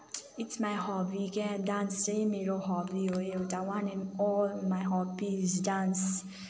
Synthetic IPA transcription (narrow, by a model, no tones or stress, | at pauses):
itsmaɪhɔbiɡɛdãnsemiɾoɦɔbioeotawãnĩnɔlmaɪɦɔbizdãns